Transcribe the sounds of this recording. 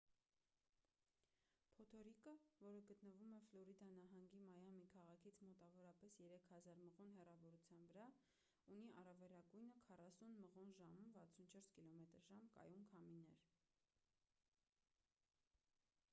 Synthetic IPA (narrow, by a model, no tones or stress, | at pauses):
pʰɔt̪ʰɔɾikəvɔɾəɡət̪nəvumɛflɔɾid̪ɑnɑɦɑŋɡimɑjɑmikʰɑʁɑkʰit͡sʰmɔt̪ɑvɔɾɑpɛsjɛɾɛkʰhɑzɑɾməʁunɦɛrɑvɔɾut͡sʰjɑnvəɾɑ | uniʔɑrɑvɛɾɑɡujnəkʰɑrɑsunməʁunʒɑmumvɑt͡sʰunt͡ʃʰɔɾskilɔmɛt̪əɾʒɑmkɑ̰jumkʰɑminɛɾ